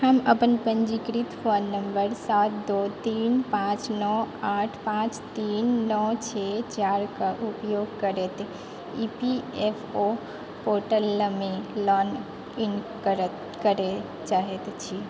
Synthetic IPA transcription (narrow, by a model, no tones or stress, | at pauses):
həməpənpə̃nd͡ʒikɾit̪fonːəmbəɾsat̪̚d̪ot̪iːnpãt͡ʃnɔaʈʰpãːt͡ʃt̪iːnːɔt͡ʃʰet͡ʃaːɾkaʔupjoːɡkəɾet̪ | ipiefʰo | poɾʈəlːmẽlɔːn | in | kəɾ | kəɾe | t͡ʃaːɦet̪t͡ʃʰi